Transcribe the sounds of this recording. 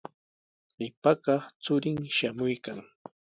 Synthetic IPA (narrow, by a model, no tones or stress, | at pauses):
ɢɪpakɑχt͡sʊɾɪŋʃamʊjkaŋ